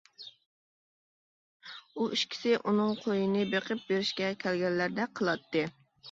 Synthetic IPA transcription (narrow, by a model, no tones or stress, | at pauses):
uiʃkʲʰɪ̥sɪʔunɨŋqʰojɨnɨbeqʰɨp̚beɾɪʃkʲɛkʲʰælɡʲɛnːæɾd̪ɛqʰəlˠɑt̪ːɨ